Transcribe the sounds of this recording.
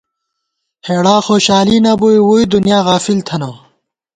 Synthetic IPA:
heːɽaːxoːɕaːliːnɐbuiwuid̪unjaːɣaːfilt̪ʰɐnɐː

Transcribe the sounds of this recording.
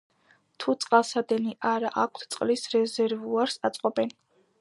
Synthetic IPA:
t̪ʰut̪sʼqʼalˠsad̪ɛniʔaɾaʔak̚ʷʰt̪ʰt̪sʼqʼlisɾɛzɛɾvuaɾsat̪sʼqʼɔbɛn

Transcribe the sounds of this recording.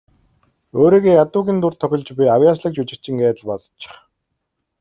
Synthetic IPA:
oːɾiːɣeːjat̪ʊːɣʲiːnt̪ʊr̥t̪ʰːœxʲɪ̆ɮt͡ɕpijawjaːsɮə̆k̚t͡ɕut͡ɕɪ̆kt͡ɕɪ̆ŋɡæːt̪ə̆ɮpɔt̪ɞ̥̆t͡ɕːɪ̥̆χ

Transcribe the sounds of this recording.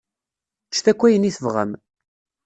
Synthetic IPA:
t͡ʃːθækʷːæjəniθəvʁə̰m

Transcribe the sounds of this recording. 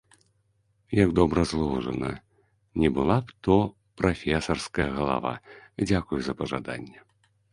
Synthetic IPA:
jɐɡd̪ɔbɾɐzlˠɔwʐɐnɐ̰ | nʲɛbɨlˠapt̪ɔ | pɾafʲɛsɐrskɐjɐɣɐlˠa̰va̰d͡zʲakujuzɐpɐʐad̪a̰nʲːɛ

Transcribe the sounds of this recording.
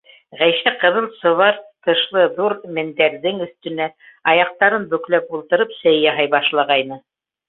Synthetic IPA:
ʁæjʃæqɤ̆ðɤlˠsŏβɑɾt̪ɤ̆ʃlˠɤðuɾmɘ̆nd̪æɾðɘŋɵ̆θt̪ɵ̆næ | ɑjɑq̚t̪ɑɾɤnbɵ̆klæp̚ulˠt̪ɤ̆ɾɤpsæjjɑɦɑjbɑʃlˠɑʁɑjnɤ

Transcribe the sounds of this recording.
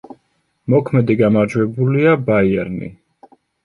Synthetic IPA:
mɔkʰmɛd̪iɡamaɾd͡ʒwɛbuliabaiɛɾnḭ

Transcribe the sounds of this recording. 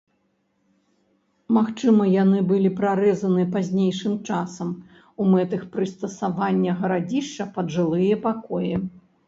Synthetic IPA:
maxt͡ʂɨmɐjanɨbɨlʲipɾaɾɛzɐnɨpazʲnʲejʂɨmt͡ʂasɐm | umɛt̪ɨxpɾɨst̪ɐsavanʲːɐɣɐɾad͡zʲiʂt͡ʂɐpɐʐɨlˠɨjɐpakɔjɛ

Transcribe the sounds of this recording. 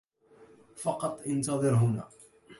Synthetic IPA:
fɑqɑt̪ˤːʔɪnt̪ɑðˤɨɾɦʊna̰ː

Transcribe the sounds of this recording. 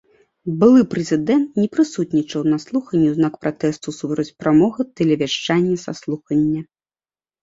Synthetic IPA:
bɨlˠɨpɾɛzʲɨd̪ɛnt̪nʲɛpɾɨsut̪ʲnʲit͡ʂɐwnaslˠuxɐnʲːɛznakpɾat̪ɛst̪usupɾɐt͡sʲpɾamɔɣɨt̪ɛlʲɛvʲaʂt͡ʂanʲːɐsaslˠuxɐnʲːɐ

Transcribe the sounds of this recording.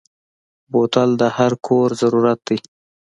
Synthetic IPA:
bot̪ald̪əhaɾkʰoɾzaɾuɾat̪̚d̪ij

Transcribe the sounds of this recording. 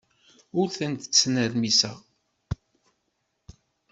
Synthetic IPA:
ʊɾθənt̪ə̥t͡sːnəɾmisæ̰

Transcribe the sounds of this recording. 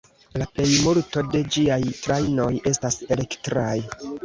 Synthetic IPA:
lape̞jmuɾto̞de̞d͡ʒiajtɾajno̞je̞stase̞le̞ktɾaj

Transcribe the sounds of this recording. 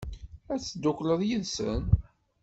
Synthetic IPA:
æt͡sːd̪ːʊkləðˤjiðsə̰n

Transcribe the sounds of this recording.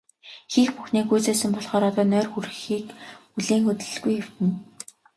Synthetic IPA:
xiːxpuxniːkujt͡seːsɘ̆mpɔɮχɔːɾɔt̪ɔːnœːrxuɾɘ̆xiːkuɮeːŋxɵt̪ɘ̆ɮ̆ɡujxew̥t̪ɘ̆n

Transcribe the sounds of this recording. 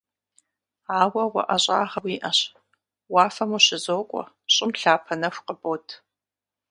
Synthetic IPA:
aːwɐwɐ̰ʔɐɕʼa̰ːʁɐwiːʔɐɕ | waːfɐmuɕɪzoːkʷʼɔ̰ | ɕʼɪmɬaːpʰɐnɐxʷqəboːtʰ

